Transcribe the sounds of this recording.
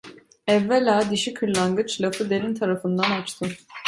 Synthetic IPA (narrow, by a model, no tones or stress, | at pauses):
ɛvːelʲaːd̪iʃikʰɯɾlˠaŋɡɯt͡ʃlˠafɯd̪eɾint̪ʰaɾafɯnd̪anat͡ʃt̪ʰɯ